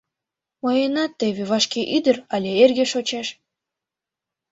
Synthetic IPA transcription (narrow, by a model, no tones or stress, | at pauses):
mojenɑt̪ːeβeβɑʃkeʔyd̪əɾɑlʲeerɣeʃot͡ɕeʃ